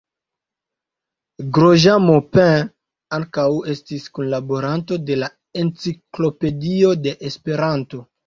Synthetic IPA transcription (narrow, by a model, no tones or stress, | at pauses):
ɡɾoʒamopɛ̃ | aŋkawe̞stiskonlabo̞ɾanto̞de̞la | ent͡siklo̞pe̞dio̞de̞ʔespe̞ɾanto̞